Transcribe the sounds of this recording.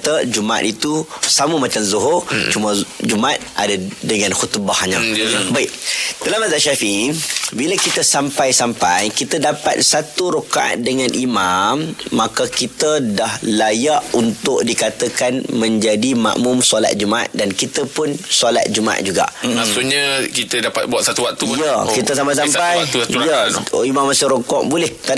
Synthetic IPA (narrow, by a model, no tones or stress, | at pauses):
t̪əd͡ʒuma̰t̪̚it̪usaməmat͡ʃamzoɦot͡ʃuməd͡ʒumat̪̚ʔa̰dadəŋãnxut̪bahɲãbaɪʔ̚t̪əlamazaʔʃafibilakit̪əsampajsampajkit̪ədapa̰t̪̚sat̪uɾokaʔa̰t̪̚dəŋanʔimamːakakit̪ədahlajaʔunt̪ʊʔ̚dikat̪əkanmə̃ɲd͡ʒadima̰ʔmʊmsola̰t̪̚d͡ʒumaa̰t̪̚dankit̪əpʊnsola̰t̪̚d͡ʒumãʔa̰ʔ̪̚d͡ʒuɡa̰ʔmasuʔɲakit̪ədapat̪̚buat̪sat̪uwak̚t̪ujəkkit̪əsampajsampajujəimamːasɪɾokɔʔbulɛht̪a